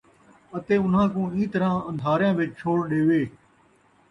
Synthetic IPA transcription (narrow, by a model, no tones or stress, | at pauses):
ət̪eːʊn̤ɦãːkũːĩːt̪əɾãːə̃nd̪ʱaːɾɪjãːʋɪt͡ʃt͡ʃʰoːɽɗeːʋeː